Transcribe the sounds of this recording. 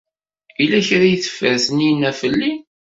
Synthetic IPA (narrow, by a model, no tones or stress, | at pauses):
ilæçɾajθə̥fːæθəninæfəlːi